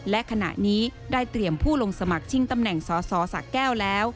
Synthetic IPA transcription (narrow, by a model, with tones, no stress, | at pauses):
lɛ˦˥ʔkʰa˧na̰˨˩ʔniː˦˥daː˥˩jt̪ɾi˨˩əmpʰuː˥˩lo˧ŋsa˧ma˨˩k̚t͡ɕʰi˦˥ŋt̪a˧mnɛ˨˩ŋsɔː˨˦sɔː˨˦sa̰˨˩kːɛː˥˩wlɛː˦˥w